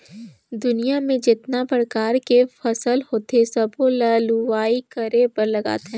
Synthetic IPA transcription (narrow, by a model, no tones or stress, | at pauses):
d̪ʊnijamẽd͡ʒɪt̪napəɾəkaːɾkefɐsəlhoːt̪esɐbʱolaːluaːikɐɾepɐɾlɐɡa̰ːt̪ɦɛ̃